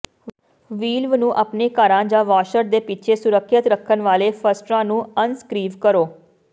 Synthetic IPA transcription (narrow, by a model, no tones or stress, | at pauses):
ʋiːlʋnũːʔaːpneːkaːɾãːd͡ʒãːʋaːʃəɾd̪eːpɪt͡ʃʰeːsʊɾəkʰːət̪ɾəkʰːənʋaːleːpʰəsʈɾãːnũːənskɾiːʋkəɾoː